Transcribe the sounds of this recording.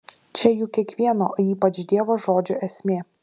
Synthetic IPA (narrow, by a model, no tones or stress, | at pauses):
t͡ʃʲɛjuːkʲiɛkʋʲiɛnoːiːpɐt͡ʃd̪ʲiɛʋoːʒoːd͡ʒʲoʔɛsʲmʲeː